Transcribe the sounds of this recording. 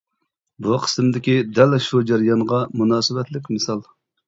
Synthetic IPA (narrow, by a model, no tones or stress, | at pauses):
buqʰə̥sɨmd̪ɪkʲid̪ɛlʃud͡ʒɑɾijɑnʁɑmunɑːsɨbɛt̪lɪkʲmɨsɑlˠ